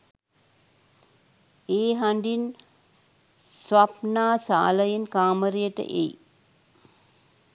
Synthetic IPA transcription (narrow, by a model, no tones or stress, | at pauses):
eːɦaɳɖin | sʋap̚naːsa̰ːlɐjenkaːməɾijəʈə̰ʔḛj